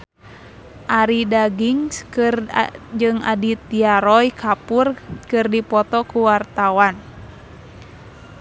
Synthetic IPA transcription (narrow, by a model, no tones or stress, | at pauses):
ʔaɾidaɡiŋskɨrd͡ʒɨŋa̰dit̪iaɾɔjkʰapurkɨrdipɔt̪ɔkuwart̪awan